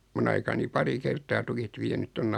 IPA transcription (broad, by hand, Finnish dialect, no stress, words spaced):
mun ɑikɑni pɑri kerˑtɑː tukit ʋienyt tonː